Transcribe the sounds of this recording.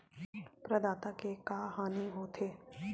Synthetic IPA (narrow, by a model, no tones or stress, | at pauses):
pɾɐd̪aːt̪akekaːɦaːniɦoːt̪ʰeː